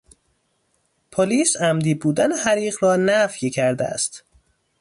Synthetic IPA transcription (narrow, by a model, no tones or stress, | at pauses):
pʰoliːsæmd̪iːbuːd̪ænehæɾiːɣrɒːnæfjcʰæɾd̪eæ̰st̪